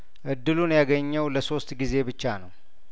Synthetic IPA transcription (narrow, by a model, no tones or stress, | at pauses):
ʔɨd̪ːɨlunjaɡəɲːəwləso̞st̪ɡize̞bɨt͡ʃːanəw